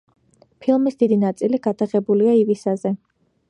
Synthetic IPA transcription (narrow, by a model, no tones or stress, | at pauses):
pʰilˠmisd̪id̪inat̪sʼiliɡad̪aʁɛbuliaivisazɛ